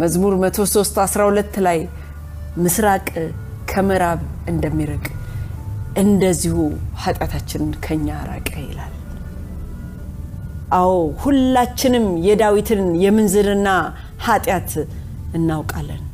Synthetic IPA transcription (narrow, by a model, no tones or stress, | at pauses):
məzmuɾmət̪ʰo̞so̞st̪asɾahulət̪ːlaj | mɨsɾakʼ | kʰəməɾaβɨnd̪əmːiɾɨkʼ | ʔɨnd̪əzːihuhat̪ʼjat̪ʰat͡ʃːɪnnkʰəɲːaɾa̰kʼəjɛ̰lal | ʔahohulːat͡ʃːɪnɨmjɛd̪awit̪ʰɨnjɛmɨnzɨɾɨnːa | hat̪ʼjat̪ | ɨnːawkʼalːən